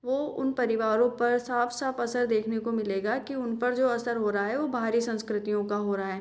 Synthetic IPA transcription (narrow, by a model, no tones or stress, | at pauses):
ʋoːʊnpɐɾɪʋaːɾõpɐɾsaːfsaːfɐsəɾd̪eːkʰnekomɪleːɡakiʊnpɐɾd͡ʒoːɐsəɾɦoːɾaaɦɛʋobʱaːɾisɐ̃nskɾɪt̪ijõkaɦoːɾaaɦɛː